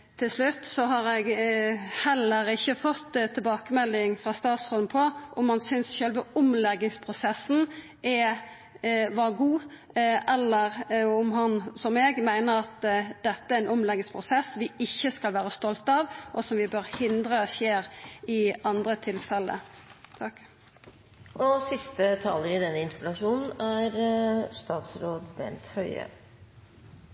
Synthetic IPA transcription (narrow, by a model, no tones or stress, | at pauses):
t̪ʰɪlʂlʉt̪ːsɔɦɑɾɛɡ | hɛlːəɾɪçːəfɔt̪ːt̪ʰːɪlbɑːkəmɛlːɪŋfʁɑst̪ɑːt̪sʁɔlnpʰɔʔɔmhɑnsʏnsʃøːlʋəʊmlɛɡːɪŋspʰʁʊsɛsn̩ | ʔɛ | ʋɑːɡuː | ɛlːəɾʊmɦɑnsɔmɛːɡmæɪnəɾɑt̪d̪̥ɛt̪ːəæɾɛnɔmlɛɡɪspʰʁʊsɛsʋɪɪçːəskɑlʋæːɾəst̪ɔlt̪ɑːʋʔɔsɔmʋɪbøɾhɪnd̪ɾəʃeːɾɪɑnd̪ɾət̪ʰɪlfɛlə̰t̪ʰɑk | ʔɔsɪst̪ət̪ʰɑːləɾɪd̪ɛnːəɪnt̪əpɛlɑʂuːnn̩æɾst̪ɑːt̪sɾoːd̪mḛːnt̪hœʏə̰